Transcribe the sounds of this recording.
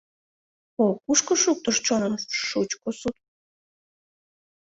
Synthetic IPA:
okuʃkoʃuk̚t̪oʃt͡ɕonəmʃut͡ɕkosut̪̚

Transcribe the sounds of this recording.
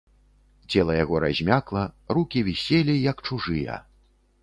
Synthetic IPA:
t͡sʲɛlˠɐjaɣɔɾa̰zʲmʲaklˠɐrukʲivʲisʲelʲijɐkt͡ʂuʐɨjɐ̰

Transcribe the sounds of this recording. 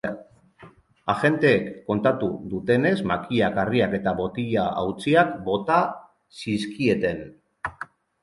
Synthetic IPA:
aʝe̞nt̪e̞ːkːo̞nt̪at̪uðut̪e̞ne̞zmakiakariake̞t̪aβo̞t̪iʎaʔa̰wt͡siakbo̞t̪a | siskie̞t̪e̞n

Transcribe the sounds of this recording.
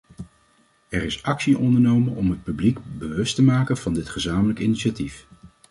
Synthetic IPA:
ɛrɪsɑksiʔɔndəɹnowmənɔmɦət̚pyblikbəʋɵstəmaːkənv̥ɑndɪtχəzaːmələkɪniʃatif

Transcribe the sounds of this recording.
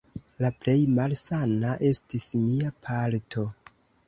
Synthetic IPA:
laple̞jmalsanaʔe̞stismiapʰaltʰo̞

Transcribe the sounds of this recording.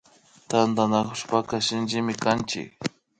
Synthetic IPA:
t̪and̪anakʊʃpakasɪnt͡ʃɪmɪkant͡ʃɪ̰k̚

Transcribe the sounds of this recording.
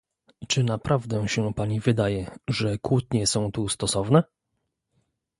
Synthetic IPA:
t͡ʂɘnapɾʔavd̪ɛɕɛpaɲivɘd̪ajɛʐɛkwut̪ɲɛsɔ̃w̃t̪ust̪ɔsɔvnɛ

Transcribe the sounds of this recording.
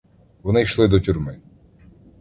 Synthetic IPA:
ʋɔnɪjʃlˠɪd̪ɔtʲurmɪ

